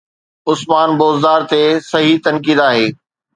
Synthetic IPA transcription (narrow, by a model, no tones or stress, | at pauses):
ʊsmaːnboːzd̪aːɾt̪esɐɦit̪ɐnkiːd̪aːɦeː